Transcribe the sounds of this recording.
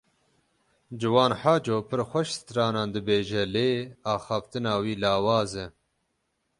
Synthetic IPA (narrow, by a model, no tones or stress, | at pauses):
d͡ʒɨwɑːnħaːd͡ʒoːpʰɨɾxʷɛʃst̪ɾɑːnɑːnd̪ɨbeːʒɛleːaːxɑːft̪ɨnɑːwiːlaːwɑːzɛ